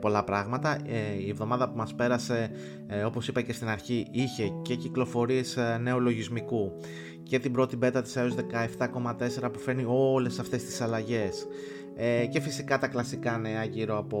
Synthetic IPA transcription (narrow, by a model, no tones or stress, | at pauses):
po̞lɐpɾɐɣmɐt̪ɐie̞vðo̞mɐðɐpumɐspe̞ɾɐse̞ | o̞po̞sipɐce̞st̪inɐɾçiʔiçe̞ce̞ciklo̞fo̞ɾie̞sne̞o̞lo̞ʝizmiku | ce̞t̪ibɾo̞t̪ibe̞t̪ɐt̪i̥seozðe̞kɐeft̪ɐko̞mɐt̪e̞se̞ɾɐpufe̞ɾnio̞le̞sɐft̪e̞st̪i̥sɐlɐʝe̞s | ce̞fisikɐt̪ɐklɐsikɐne̞ɐʝiɾo̞ɐpo